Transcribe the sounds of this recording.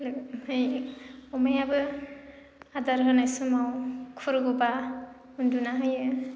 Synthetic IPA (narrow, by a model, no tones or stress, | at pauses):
lhɯjɔmajabɯ | adaɾɦɯnasɯmawkʰuɾɡuba | undunaɦɯjɯ